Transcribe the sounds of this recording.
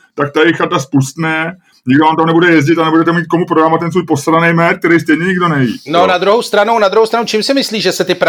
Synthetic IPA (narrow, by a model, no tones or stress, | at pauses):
t̪ak̚t̪ajɛxat̪aspust̪nɛ | ɲɪɡdoaːmt̪amnɛbudɛjɛzɟɪt̪anɛbudɛt̪ɛmiːt̪̚ko̞mupɾoɾamat̪ɛnsvuːjpost̪ɾanɛjmɛtk̚t̪ɛɾɛjst̪ɛjɲɛɲɪɡdo̞nɛjḭːnonad̪ɾuɦowst̪ɾanownad̪ɾuɦowst̪ɾanowt͡ʃimsɪmɪsliːʒɛsɛt̪ɪpɾ